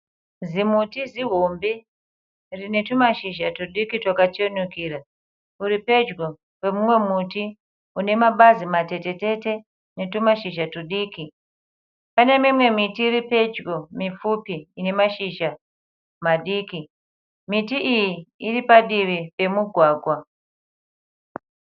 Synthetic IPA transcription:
zimutiziɦombe | rine̞tumaʃiʒatuɗikitwakat͡ʃionukiːra | uɾipe̞d͡ʒɡo | we̞mumwe̞muti | une̞maɓazimate̞te̞te̞te̞ | ne̞tumaʃiʒatuɗiːki | pane̞mimwe̞mitiːripe̞d͡ʒɡomifupiːne̞maʃiʃa | maɗiːki | mitiʔijiiripaɗiʋipe̞muɡʱwaːɡʱwa

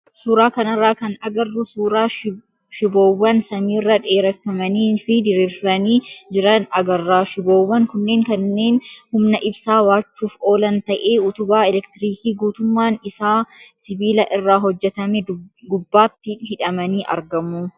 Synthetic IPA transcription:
suːɾaːkɐnɐrːaːkɐnɐɡɐrːʊsuːɾaː | ʃɪbo̞ːwːɐnsɐmiːrːɐᶑeːɾɛfːɐmɐniːfɪd̪ɪɾiɾɐniːd͡ʒɪɾɐnɐɡɐrːaːʃɪbo̞ːwːɐŋkʊnːe̞ːŋkɐnːe̞ːnhʊmnɐʔɪbsaːwaːt͡ʃːuːfo̞ːlɐnt̪ɐʔe̞ːʊt̪ʊbaːɛlɛkt̪ɪɾiːkiːɡuːt̪ʊmːaːnɪsaːsɪbiːlɐʔɪrːaːɦɔd͡ʒːɛt̪ɐmɛdɡʊbːaːt̪ːɪhɪᶑɐmɐniːʔɐ̰ɾɡɐmuː

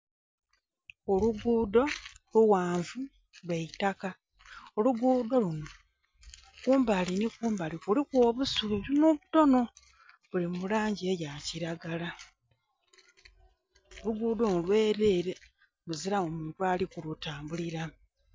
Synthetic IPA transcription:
oluɡuːdo̞luwaːɱvu | lweitaka | o̞luɡuːdo̞luno̞ | kuːmbalinikuːmbalikulikwoːβusuβiβunoβuto̞no̞ | βulimulaːɲɟiejaciɾaɡala | oluɡuːdonolwe̞ːɾeːɾe | βuziɾaomuːntwaːlikulutaːmbuliɾa

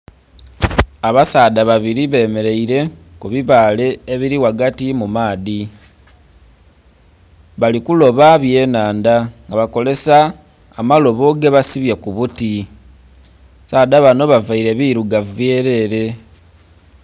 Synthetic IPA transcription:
aβasaːdaβaβiɾiβe̞ːme̞ɾe̞iɾe̞kuβiβaːle̞ːβiɾiwaɡatimumaːði | βalikulo̞βaβje̞ːnaːndaŋɡaβako̞le̞saː | malo̞βo̞ɡeβasiβjekuβuti | saːdaβano̞βavaiɾe̞βiɾuɡave̞ːɾe̞ɾe̞

